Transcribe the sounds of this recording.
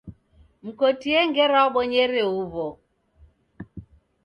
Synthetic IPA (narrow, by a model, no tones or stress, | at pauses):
m̩kɔtiɛŋɡɛɾaɔɓɔɲɛɾɛuβɔ